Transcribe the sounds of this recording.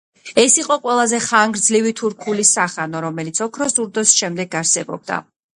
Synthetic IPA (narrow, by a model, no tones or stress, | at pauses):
ɛsiqʼɔqʼwɛlˠazɛχaŋɡɾd̪zlivit̪ʰuɾkʰulisaχanɔɾɔmɛlit̪sʰɔkʰɾɔsd̪uɾd̪ɔsʃɛmd̪ɛɡaɾsɛbɔ̰b̚d̪a̰